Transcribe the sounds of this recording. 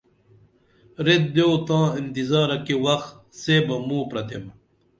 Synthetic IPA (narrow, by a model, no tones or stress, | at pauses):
ɾet̪̚d̪ewt̪ãːint̪izaːɾɐkiwɐxt̪ | seːbɐmũːpɾɐt̪ʰem